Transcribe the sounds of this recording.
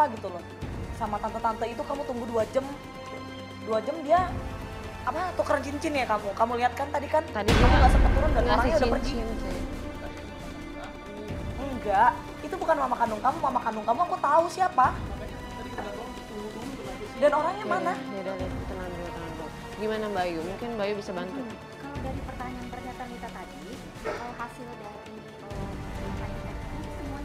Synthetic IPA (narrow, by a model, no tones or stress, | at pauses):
paɡit̪ulɔ | samat̪ant̪at̪ant̪ait̪̬ukamut̪uŋɡuduad͡ʒəm | duad͡ʒəmdia | apat̪ukəɾəɲt͡ʃiɲt͡ʃɪnjakamukamuliat̪̚kant̪adikant̪adikamaɡaʔsəpət̪ːuɾʊndaoɾaŋɲaudapərd͡ʒi | əŋɡaʔ | it̪ubukanmamakandʊŋkamumamakanʊŋkamuakut̪ausiapaaaat̪adikəaaŋit̪duua | danoɾaŋɲamanadadalat̪ənant̪uat̪ənant̪u | ɡimanabajumuŋkɪnbajubisabant̪u | kalawdaɾipərt̪aɲaant̪ərɲat̪ankit̪at̪adi | kalaɦasɪlada | it̪umataɲaasəmua